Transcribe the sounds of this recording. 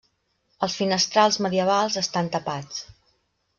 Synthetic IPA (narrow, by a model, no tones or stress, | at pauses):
əlˠsfinəst̪ɾalˠzməðiəβ̞alˠzəst̪ant̪əpat͡s